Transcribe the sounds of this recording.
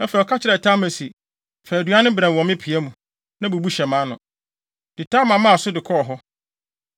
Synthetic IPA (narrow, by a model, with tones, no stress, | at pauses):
ɛ˦fɛ˨ɔ˨kʰa˦t͡ɕʰɪ˨ɾɛ˨tʰa˦mɛ˨si˨ | fɛ˨æ˨du˨˦a˦nɪ̃˦bɾã˨ɔ̃˨mɪ̃˦pʰi˨æ˦mũ˨ | nã˦bu˨bu˦ɕɛ˨mã˨˦nʊ̰̃˨ | d̥ɪ˨tʰa˦mã˨mã˦˨sʊ˦dɪ˨kʰɔ˦ɔ˨ɦɔ˦